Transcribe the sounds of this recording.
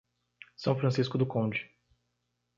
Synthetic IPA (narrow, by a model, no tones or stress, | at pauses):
sɐ̃w̃fɾɐ̃siskʊd̪ʊkõd͡ʒɪ